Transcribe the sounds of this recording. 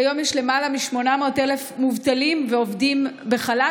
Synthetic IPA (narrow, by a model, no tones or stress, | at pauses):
jo̞mjeʃle̞malamiʃmo̞namo̞ːtelefmuvtalimveovdimbeχala